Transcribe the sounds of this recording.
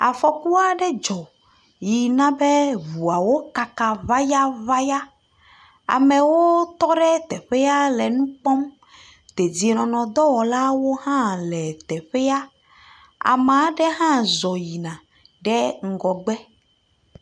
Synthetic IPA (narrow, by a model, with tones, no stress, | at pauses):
a̰˨fɔ˨ku˦a˦ɖɛ˦d͡ʒɔ˨ | ji˨nã˦bɛ˦vu˨a˨wo˦ka˨ka˨va˦ja˦va˦ja˦ | a̰˨mɛ̃˨wo˦t̪ɔ˦ɖɛ˦t̪ɛ˨ɸɛ˦ja˦lɛ˨nũ˦k͡pɔ˦m | t̪e˨d͡ʑi˨nɔ̃˨nɔ̃˨d̪ɔ˦wɔ˨la˦wo˦hã˦lɛ˨t̪ɛ˨ɸɛ˦ja˦ | a̰˨mã˨˦ɖɛ˦ɦã˦zɔ˨ji˨nã˨ | ɖɛ˦ŋ̩˨ɡɔ˨ɡ͡bɛ˦